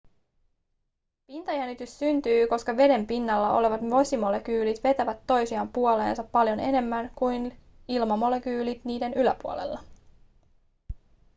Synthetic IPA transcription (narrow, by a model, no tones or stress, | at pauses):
pint̪ɑjænːit̪ysːynt̪yːko̞skɑʋe̞de̞mpinːɑlːɑo̞le̞ʋɑt̪ʋo̞simo̞le̞kyːlit̪ʋe̞t̪æʋæt̪ːo̞jsiɑmpːuo̞le̞ːnsɑpːɑljo̞ne̞ne̞mːænkujn | ilmɑmo̞le̞kyːlit̪niːde̞nylæpuole̞̰lːɑ